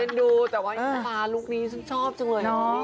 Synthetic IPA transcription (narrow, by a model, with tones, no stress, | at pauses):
e˧nduː˧t̪ɛː˨˩waː˧˦˨t̪aː˧˩luː˥˩k̚niː˨˦˥sa˧˥nt͡ɕʰɔː˥˩p̚t͡ɕɯ˧ŋlɤː˧˩nɔ˨˦